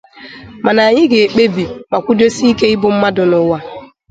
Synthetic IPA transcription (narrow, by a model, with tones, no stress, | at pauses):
ma˨na˨ɲɪ˦ɡe˨e˨k͡pe˦bi˨ma˨kʷu˦do˦si˦i˦ke˦ɪ˦bʊ˨m̩˦ma˦dʊ˨nʊ˨wa˦